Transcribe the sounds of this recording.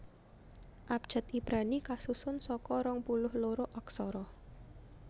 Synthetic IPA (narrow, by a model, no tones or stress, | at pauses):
ʔap̚d̥ʒ̥a̤t̪ibɾanikasusʊnsɔkɔɾɔŋpulʊhloɾoʔɔksɔɾɔ